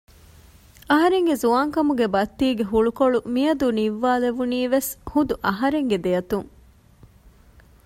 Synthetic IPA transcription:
ɐɦɐɾeŋɡezuaːŋkɐmuɡebɐt̪ːiːɡeɦuɭukoɭumijɐd̪uniʋːaːleʋuniːʋeshud̪uʔɐɦɐɾeŋɡed̪ejɐt̪uŋ

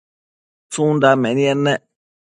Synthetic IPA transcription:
tũdamɛ̃nĩɛnɛ̃

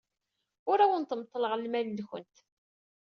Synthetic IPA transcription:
ʊɾæwənt̪əmt̪ˤːələʁlmælnçə̰nt̪

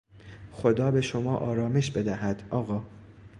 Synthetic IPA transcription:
xo̞d̪ɒːbe̞ʃomɒːʔɒːɾɒːme̞ʃbe̞d̪æhæd̪̥ʔɒːɣɒː

